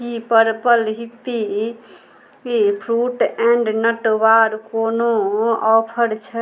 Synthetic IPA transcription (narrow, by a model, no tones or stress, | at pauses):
kipəɾpəlɦipːi | kipʰɾuʈɛ̃ɳɖnəʈʋaɾkonoɔpʰəɾt͡ʃʰɛ